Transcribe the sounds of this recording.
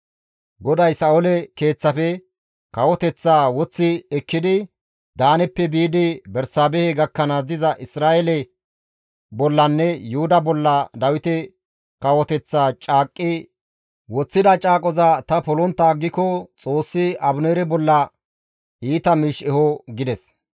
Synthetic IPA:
ɡɔd̪ɐjsɐːɔlɛke̞ːt͡sːɐfɛ | kɐwɔt̪ɛt͡sːaːwɔt͡sːɪɛkːɪd̪ɪ | d̪aːnɛpːɛbiːd̪ɪbɛɾsaːbɛhɛɡɐkːɐnazd̪ɪzɐʔɪsɾaːʔɛlɛ | bɔlːɐnːɛjʊhʊd̪ɐbɔlːɐd̪ɐwɪt̪ɛ | kɐwɔt̪ɛt͡sːaːt͡ʃʼaːkʼːɪ | wɔt͡sːɪd̪ɐt͡ʃʼaːkʼɔzɐt̪ɐpɔlɔnt̪ːaːɡːɪkɔt͡sʼo̞ːsːɪɐbʊneːɾɛbɔlːɐ | iːt̪ɐmiːʃɛhɔɡɪd̪ɛs

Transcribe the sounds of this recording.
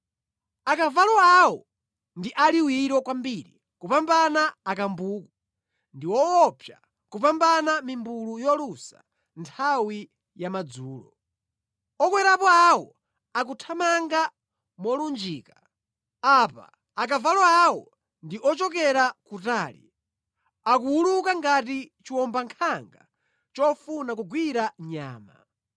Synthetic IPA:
akavalɔawɔ | ndiʔaliwiɾɔkwambiːɾi | kupambanaːkambuːku | ndiwɔwɔpʰja̰ | kup̬ambanamimbulujɔlusa̰ | ntʰawi | jamad͡zuːlɔ̰ | ɔkwɛɾapɔawɔ | ak̬utʰamaŋɡa | mɔlund͡ʒiːka | apa̰ | ak̬avalɔawɔ | ndiʔɔt͡ʃɔk̬ɛɾakutaːlḭ | akuulukaŋɡat̬it͡ʃiwɔmbaŋkʰaŋɡa̰ | t͡ʃɔfunak̬uɡwiɾaɲa̰ːma̰

